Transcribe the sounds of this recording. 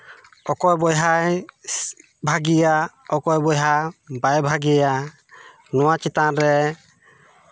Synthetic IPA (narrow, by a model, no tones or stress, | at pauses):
ɔkɔjbɔjɦaj | bʱaɡijaɔkɔjbɔjɦabajbʱaɡija | nɔwat͡ʃit̪anɾɛ